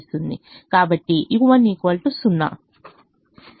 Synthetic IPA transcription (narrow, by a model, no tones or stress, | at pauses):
st̪und̪ikaːbɐʈːiʔikuʋɐnːiːkɐlʈusunːa̰